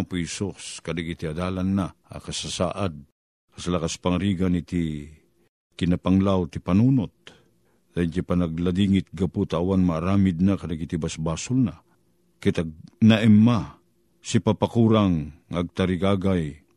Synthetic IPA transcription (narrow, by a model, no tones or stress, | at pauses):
pisoskad̪aɡit̪iad̪aːlanːaa̰kasasa̰ːʔad̪̚ | kaslakaspaŋaɾiːɡanit̪i | kɪnapaŋlawt̪ipanuːnot̪̚ | d̪ad͡ʒapanaɡlad̪iːŋɪt̪̚ɡaput̪aːwanmaːɾaːmɪd̪̚nakad̪aɡit̪ibasbaːsʊlna | kit̪aɡ̚naʔɛmːa | sipapakuːɾaŋaɡ̚t̪aɾiɡaːɡaj